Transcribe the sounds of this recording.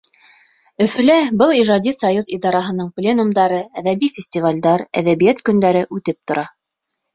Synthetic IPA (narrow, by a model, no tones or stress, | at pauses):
ɵ̆fɵ̆læbɤlˠiʒɑd̪ʲisɑjuzid̪ɑɾɑɦɤ̆nɤɴplʲenumd̪ɑɾɤæðæβifʲɪsʲtʲivalʲd̪ɑɾæ̰ðæβijæt̪kɵ̆nd̪æɾɘʔʉt̪ɘp̚t̪ŏɾɑ